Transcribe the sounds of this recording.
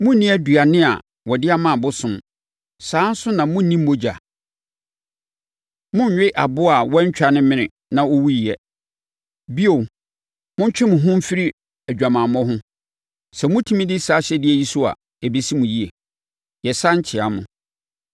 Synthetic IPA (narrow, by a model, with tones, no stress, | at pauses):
mʊ̃˦n˦nĩ˦æ˦du˨a˨nɪ̃˦a̰˨ | wɔ˨dɪ˦a˦mã˦˨bʊ˦sʊ̃˨m | sãː˨˦n̩˦sʊ˦nã˨mʊ̃˦n̩˦nĩ˦m̩ː˦o˦d͡ʑa˨ | mʊ̃˦ɲ˨ɲᶣɪ˦ʔa˨bʊ˦a˨wɔ˦ɲ˦t͡ɕᶣa˨nɪ̃˦mɪ̃˦˨nɪ̃˨ | nã˨o˦wu˦ji˨jɛ˦ | bi˦o˨ | mʊ̃˦ɲ˦t͡ɕᶣɪ˦mʊ̃˨ɦʊ̃˦m̩˦fi˦ɾi˦ | æ˨d͡ʑᶣa˨mãː˨mɔ̃˦ɦʊ̃˦ | sɛ˨mʊ̃˦tʰĩ˦mĩ˦dɪ˦saː˨˦ɕɛ˦dɪ˦ɛ˦ji˦sʊ˦a̰˨ | e˨bi˨si˦mʊ̃˨ji˦e˨ | jɛ˨sa˦ɲ˦t͡ɕʰɪ˨a˨mʊ̃˨